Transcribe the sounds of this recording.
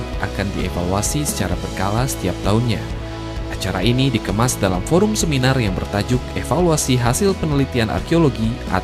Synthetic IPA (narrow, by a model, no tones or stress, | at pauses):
ʔa̰kandiefaluasisə̥t͡ʃaɾabərkalasə̥t̪iap̚t̪aʊnɲa | ʔat͡ʃaɾainidikəmasdalamfoɾʊmsəminarjaŋbərt̪ad͡ʒʊk̚efaluasiɦasɪlpənəlit̪ianʔa̰rkeoloɡiʔa̰